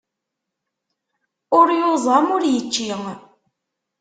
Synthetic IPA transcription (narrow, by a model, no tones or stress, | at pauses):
ʊɾjozˤɑmʊɾjət͡ʃːiŋ